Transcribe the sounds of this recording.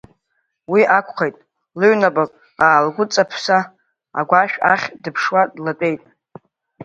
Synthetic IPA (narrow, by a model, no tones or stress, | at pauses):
wiʔakʷʰχejtʼ | lɨɥnabʼakʼ | aːlɡʷʊt͡sʼapʰsa | a̰ɡʷaʃᶣaχʲdɨpʰʂwadlatʼe̞jtʼ